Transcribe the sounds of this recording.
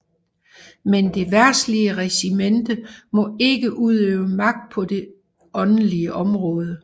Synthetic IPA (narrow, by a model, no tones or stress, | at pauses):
mend̥e̝ʋæɐ̰sliəʁɛsimend̥əmɒ̽e̝ɡ̥əʔuð̞̰ˠøːʊəmɑ̈ɡ̥̚d̥̚pʰɒ̽d̥e̝ | ɒ̽nliəʔɒ̽mʁɔ̽ːð̞ˠə